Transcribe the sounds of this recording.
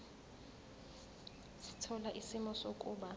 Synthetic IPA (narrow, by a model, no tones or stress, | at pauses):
si̥tʰɔlaʔisimɔsokʼuːba